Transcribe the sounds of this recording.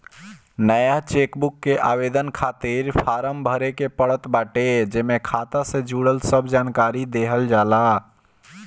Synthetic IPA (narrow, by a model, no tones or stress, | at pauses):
nəjat͡ʃekbukːeʔa̰bed̪ənkʰat̪iɾpʰaɾəmbʱəɾekepəɽət̪baʈed͡ʒemekʰat̪asẽd͡ʒuɽəlsəbʱd͡ʒankaɾid̪eɦəld͡ʒala